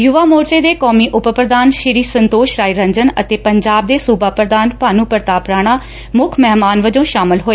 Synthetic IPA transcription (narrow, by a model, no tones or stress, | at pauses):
jʊʋaːmoːɾt͡ʃeːd̪eːkɔːmiːʔʊppɾəd̪aːnʃɪɾiːsənt̪oːʃɾaːiːɾə̃ɲd͡ʒənə̰t̪eːpəɲd͡ʒaːb̚d̪eːsuːbaːpɾəd̪aːnpʊaːnũːpəɾt̪aːpɾaːɽ̃aː | mʊkʰmɛɦmaːnʋəd͡ʒõːʃaːmɪlɦoːeː